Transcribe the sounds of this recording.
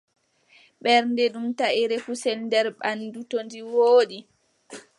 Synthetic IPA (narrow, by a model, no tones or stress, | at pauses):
ɓɛɾndɛɗumtaʔiɾɛfusɛlndɛɾɓandutondiwoːɗi